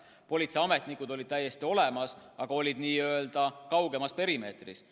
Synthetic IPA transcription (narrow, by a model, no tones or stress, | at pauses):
po̞lʲit̪seɑme̞t̪ˑnikud̪o̞lʲid̪̥̚t̪æjːe̞st̪io̞le̞mɑsɑɡ̥ɑo̞lʲid̪̥niːøeld̪̥ɑkɑwɡe̞mɑspe̞ɾime̞ːt̪rḭs